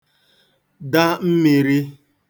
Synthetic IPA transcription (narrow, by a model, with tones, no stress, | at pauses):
da˦m̩˦mi˨ɾi˦